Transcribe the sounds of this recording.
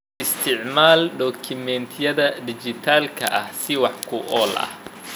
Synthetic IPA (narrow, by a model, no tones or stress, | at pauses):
ɪst̪ʰɪʕmaːlɖɔːkʰɪmɛnt̪ʰɪjɐðɐd̪ɪt͡ʃɪt̪ʰaːlkʰɐ̰ʔɐhsɪwɑħkʰʊʔɔːlʔɐ̰h